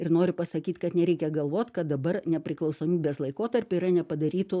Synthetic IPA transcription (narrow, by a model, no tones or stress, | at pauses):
ɪɾnoːɾʲʊpɐsɐkʲiːt̪kɐt̪nʲɛɾʲɛɪkʲɛɡɐlˠʋoːt̪ʲkɐt̪̚d̪ɐbɐrnʲɛpʲɾʲɪklˠɒʊsoːmʲiːbʲeːslˠɐɪkoːt̪ɐrʲpʲʊiːɾɐnʲɛpɐd̪ɐɾʲiːt̪ʊ